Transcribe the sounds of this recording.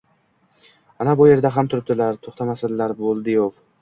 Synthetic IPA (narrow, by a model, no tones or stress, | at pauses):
anabʊje̞ɾd̪aɦamt̪ʰʊɾɪp̚d̪ɪlaɾt̪ʰoχt̪ʰamasɪd̪laɾbolˠd̪ɪjov